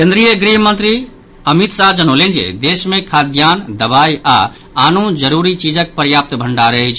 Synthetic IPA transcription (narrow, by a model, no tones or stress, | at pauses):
kẽnd̪ɾijəɡɾiɦmənt̪ɾi | əmit̪sad͡ʒənolend͡ʒḛd̪esmẽkʰad̪ʱjand̪əbaja̰ | anõd͡ʒəɾuɾit͡ʃid͡ʒək̚pəɾjap̚t̪bʱəɳɖaɾəɦit͡ʃʰ